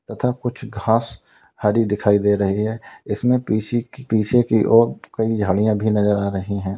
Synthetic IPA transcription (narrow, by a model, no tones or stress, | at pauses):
t̪ɐt̪ʰakʊt͡ʃʰɡʱãːs | haɾid̪ɪkʰaːid̪eːɾɐɦiɦɛːɪsmẽpiːt͡ʃipiːt͡ʃʰekiʔɔːɾkɐid͡ʒʱaːɽijãbʱinɐzəɾaːɾɐɦiɦɛ̃ː